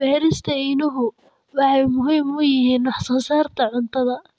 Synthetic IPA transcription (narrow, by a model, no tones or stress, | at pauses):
bɛːɾɪst̪ʰɐɪnɪɦʊ | wɑħɛjmʊɦɪmʊjɪɦiːnːɑħsɐːsaːrt̪ʰɐʕʊnt̪ʰɐðɐ